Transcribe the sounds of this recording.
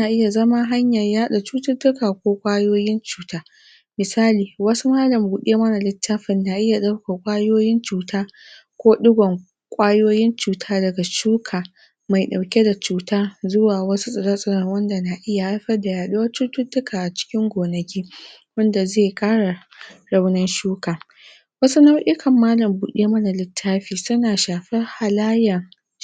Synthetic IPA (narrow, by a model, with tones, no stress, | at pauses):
na˨ʔɪ˦ja˨zɐ˦ma˦ɦa˦ɲjɐ˨rjaː˦ɗa˨t͡ʃuː˦tʊ˦tːʊ˦kaː˨kʷoː˦kʷʼaː˦joː˦jɪ˦nt͡ʃuː˦tʰaː˦ | mɪ˨saː˦liː˨wɐ˦su˦maː˦lɐ˨mbuː˨ɗeː˦mɐ˦na˨lɪ˦tʰːa˦ɸɪ˨nːa˨ʔɪ˦ja˨ɗa˦wka˨kʷʼaː˦joː˦jɪ˦nt͡ʃuː˨tʰaː˦ | kʷoː˦ɗʊ˦ɡʷɔ˨ŋ | kʷʼaː˦joː˦jɪ˦nt͡ʃuː˨tʰaː˦dɐ˨ɡa˨t͡ʃuː˦kʰaː˨ | ma˨jɗa˨wkʲe˦da˨t͡ʃuː˦tʰaː˦zʊ˦waː˨wɐ˦su˦sʼɐ˨ɽa˦sʼɐ˦nɐ˨ŋwɐ˦nda˨na˨ʔɪ˦ja˨ʔa˦jɸɐ˦rda˨jaː˨ɗu˦wɐ˦t͡ʃʊ˦tʊ˦tːʊ˦kʰaː˨ʔa˨t͡ʃɪ̥˦kʲɪ˦ŋɡʷoː˨nɐ˨kʲiː˦wɐ˦nda˨zeː˦˨kʼaː˦ɽa˨ | ɽɐ˦wnɐ˦nʃuː˦kaː˨ | wɐ˦su˦na˦wʔɪ˦kʰɐ˨mːaː˦lɐ˨mbuː˨ɗeː˦mɐ˦na˨lɪ˨tʰːaː˦ɸiː˨sʊ˦naː˨ʃaː˨ɸɪ˦rha˨laː˦jɐ˨ŋ